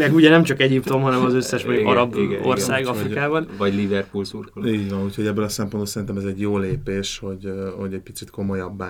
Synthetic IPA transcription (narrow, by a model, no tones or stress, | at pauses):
mɛɡuɟɛnɛmt͡ʃɒkɛɟipt̪o̞mɦɒnɛmɒzøsːɛʃɛɡɒ̰ɾɒborssaːɡɒfrikaːbɒnvɒɟlivɛrpulsurkoliːɟʋɒnuːcho̞ɟɛbːøːlɒsɛmponbolsɛɾint̪ɛmɛzɛɟjoːleːpeːʃho̞ɟho̞ɟɛc̚pi̥t̪sit̪ko̞mo̞jɒbːa